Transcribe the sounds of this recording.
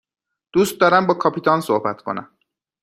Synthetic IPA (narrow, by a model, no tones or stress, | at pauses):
d̪̥ust̪̚d̪ɒːɾæmbɒːkʰɒːpʰit̪ʰɒnsohbæt̪ʰkʰo̞̰næ̰m